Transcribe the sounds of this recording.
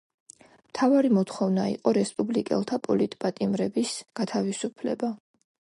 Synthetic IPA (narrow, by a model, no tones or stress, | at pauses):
mt̪ʰavaɾimɔt̪χɔvnaḭqʼɔɾɛspʼublikʼɛ̰lˠt̪ʰapʼɔlit̪ʼpʼat̪ʼimɾɛbisɡ̥at̪ʰavisupʰlɛ̰ba